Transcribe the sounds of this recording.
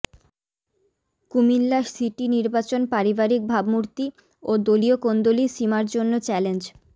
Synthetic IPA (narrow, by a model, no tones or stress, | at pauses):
kumilːasiʈiniɾbat͡ɕonpaɾibaɾik̚bʱabmuɾt̪i | od̪oliokond̪oliʃimaɾd͡ʑonːot͡ɕɛlend͡ʑ